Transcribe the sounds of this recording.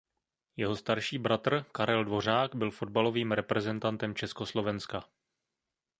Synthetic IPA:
jɛɦo̞st̪aɾʃiːbɾat̪r̩kaɾɛldvo̞r̝aːɡbɪlfo̞d̚balo̞viːmɾɛpɾɛzɛnt̪ant̪ɛmt͡ʃɛsko̞slo̞vɛnska

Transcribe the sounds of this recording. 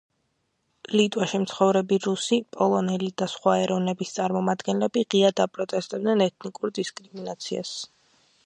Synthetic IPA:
kʼlit̪ʼwaʃimt̪sʰχɔvɾɛbiɾusipʼɔlˠɔnɛlid̪asχwaɛɾɔvnɛbist̪sʼaɾmɔmad̪ɡɛnlɛbiʁiad̪apʼɾɔt̪ʼɛst̪ʼɛb̚d̪nɛnɛt̪ʰnikʼuɾd̪iskʼɾiminat̪sʰia̰s

